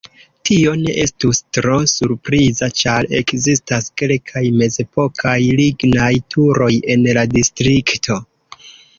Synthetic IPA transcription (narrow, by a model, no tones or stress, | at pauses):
tʰio̞ne̞̰ʔe̞stustɾo̞suɾpɾizat͡ʃaɾe̞kzistaske̞lkʰajme̞ze̞po̞kʰajliɡnajtʰuɾo̞je̞nladistɾiktʰo̞